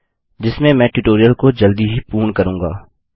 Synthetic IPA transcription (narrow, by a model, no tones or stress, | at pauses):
d͡ʒɪsmẽmɛ̃ːʈuʈoːɾijəlkod͡ʒɐld̪iɦipuːɳkɐɾũːŋɡaː